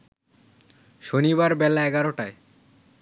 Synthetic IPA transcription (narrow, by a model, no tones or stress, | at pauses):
ʃoniβaɾbɛlaɛɡaɾoʈae